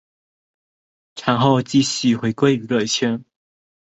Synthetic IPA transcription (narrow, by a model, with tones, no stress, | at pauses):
ʈ͡ʂʰa˧˥ŋxo˥˧ʊt͡ɕi˥˨ɕy˥˩xwe˨˥ɪkwe˥ɪy˧˥lwə˥˨˩ɪt͡ɕʰjɛ˥n